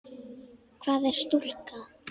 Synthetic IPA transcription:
kʰvaːðɛɾ̥st̪ul̥ka

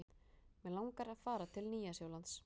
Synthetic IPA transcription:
mɛðlawŋkaɾaðfaːɾat̪ʰɪlniːjasjaːwlant̪s

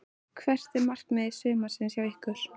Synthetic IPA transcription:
kʰvɛr̥t̪ɛɾmar̥knaðɪsʏːmḁsɪnsjawihkʏɾ̥

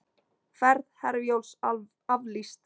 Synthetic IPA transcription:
fɛɾðhɛɾvjowls | avlist̪

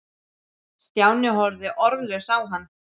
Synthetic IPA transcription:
st̪jaːwnɪɦɔɾðɪʔɔɾðlɛɣsaːwɦanː

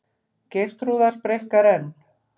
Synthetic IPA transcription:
cer̥t̪ɾuːðaɾ̥pɾejhkaɾɛnː

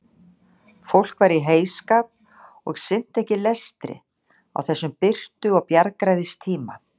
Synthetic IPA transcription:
fowl̥kvaɾiɦeːjskaːp | ɔɣsɪn̥t̪ɛhcɪlɛst̪ɾɪ̰ | a̰wθɛsːʏmpɪr̥t̪ʏɔɣpjaɾkɾajðɪst̪ʰiːma

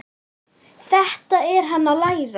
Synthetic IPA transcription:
θɛht̪aɛɾ̥ɦanːalaːjɾa

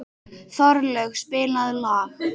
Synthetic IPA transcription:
θɔɾlœxspɪːlaðlaːx

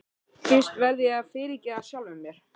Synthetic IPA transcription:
fɪst̪vɛɾðɪjɛafɪːɾɪcɛasjawlvʏmːjɛɾ̥

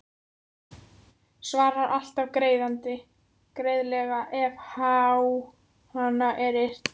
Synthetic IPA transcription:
svaːɾaɾʔal̥t̪avkɾeːjðant̪ɪ | kɾeːjðlɛɣaʔɛvhaːw | hanːaʔɛɾɪr̥t̪

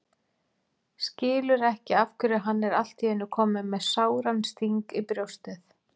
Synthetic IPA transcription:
scɪːlʏɾɛhcɪafkʰʏɾaɦanːɛɾal̥t̪iɛnːʏkʰɔːmɪmɛðsaːwɾanst̪iŋkipɾjowst̪ɛθ

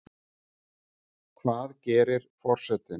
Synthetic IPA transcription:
kʰvaːðcɛːɾɪɾ̥fɔr̥sɛt̪ɪ

